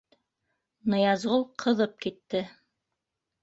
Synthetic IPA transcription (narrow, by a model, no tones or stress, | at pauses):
nɤ̆jɑzʁolˠqʰɤ̆ðɤp̚kit̪ːɘ